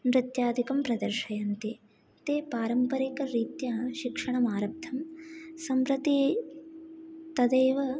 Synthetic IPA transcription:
mɾɪt̪jaːd̪ʱikɐmpɾɐd̪ɐɾʃɐjɐnt̪i | t̪eːpaːɾɐmpɐɾikɐɾiːt̪jaʃikʂɐɳɐmaːɾɐb̚t̪ʰːɐmsɐmpɾɐt̪i | t̪ɐd̪eːʋɐ

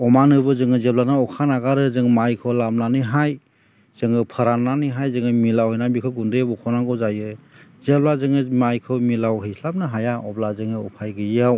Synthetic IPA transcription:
ɔmanɯbɯzɯŋɯzeblanaɔkʰanaɡaɾɯzɯŋmajkʰɯwlamnanɯɦaj | z̥ɯŋɯpʰɯɾanːanɯɦajzɯŋɯmilawhɯjnabikʰɯɡundebɔkʰɔnaŋɡɔzajɯzeblazɯŋɯmajkʰɯwmilawɦɯjsʰlap̚nɯɦajaɔblazɯŋɯɔpʰajɡɯjaw

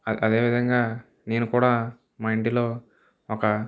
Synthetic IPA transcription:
ɐɐd̪e̞ːʋid̪ʱɐŋɡaː | ne̞ːnukuːɽaː | mɐjɳʈilo̞ː | ɔkɐ

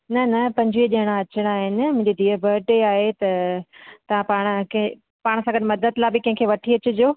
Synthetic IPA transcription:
nɐnɐpɐ̃ɲd͡ʑʋiːəʄɐɪɽ̃aɐt͡ɕəɽ̃aːɦɪnɪ̆mʊ̃ɦɪ̃ɲd͡ʑed̪ʱiːəbʱəʈeaːɦet̪ɐt̪ɐʋ̤ãpaːɽ̃ʊ̆k | paːɽ̃̆sãːɡɐɗ̪mɐd̪əd̪labɪkɐ̃ɦɪ̃kʰeʋɐʈʰiɐt͡ɕʊ̆d͡ʑoː

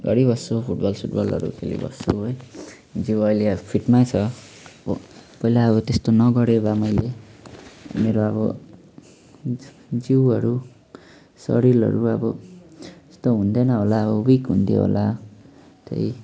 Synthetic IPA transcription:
ɡʌ̰ɽibʌsopʰuʈbʌlsʰuʈbʌlʌ̰ɾṵkʰḛlḭbʌ̰soɦʌj | d͡ziwʌjlepʰiʈmat͡sʰʌ | bʌ̰pʌilaʌβʌt̪est̪onʌɡʌɾebamʌjle | meɾoʌβʌ̰ | d͡ziwʌɾu | sʌ̰ɾilʌ̰ɾuʌbʌ | e̥st̪oɦund̪enʌɦolaʌbʌwikɦunt̪ʰjo̰ɦo̰la | t̪ʰḛj

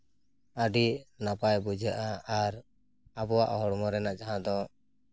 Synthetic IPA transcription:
aɖiʔnapajbud͡ʒʱaʔaːɾ | abɔwaʔɔɦɔɽmɔɾɛnaʔd͡ʒaɦãd̪ɔ

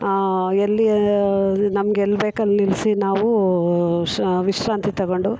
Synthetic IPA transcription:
elːi | nɐmɐɡelːbeːkɐlnilsinaːʋu | ʋiʂɾaːnt̪it̪ɐɡoɳɖu

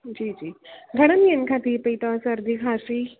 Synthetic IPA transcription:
d͡ʑiːd͡ʒiːɡʱəɽəmjənkʰat̪iːpəjt̪asəɾd̪ʱikʰasiː

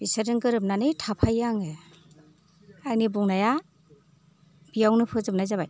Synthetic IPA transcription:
b̥isɯɾɯŋɡɯɾɯp̬̚nanɯjtʰapʰajaŋe | ajnibuŋnaja | b̥ijawnɯpʰɯzɯp̚najzaβaj

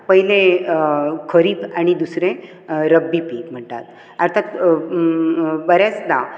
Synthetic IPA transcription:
pəɦile | kʰəɾiːpaɽ̃id̪usɾe | ɾəbːipim̤əɳʈ̪a̰t̪ | əɾt̪ʰat̪ | bəɾat͡sd̪a

